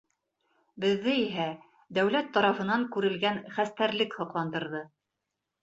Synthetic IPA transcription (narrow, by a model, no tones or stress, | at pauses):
bɘ̆ðːɘiɦæ | d̪æwlæt̪ːɑɾɑfɤ̆nɑŋkʉɾɘ̆lɡænχæst̪æɾlɘkhɤ̆qlˠɑnd̪ɤ̆ɾðɤ